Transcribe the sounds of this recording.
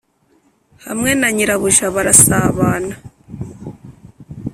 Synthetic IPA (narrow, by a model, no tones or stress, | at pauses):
ha̰mŋe̞naɲiɾaβuʒaβaɾasaːβaːna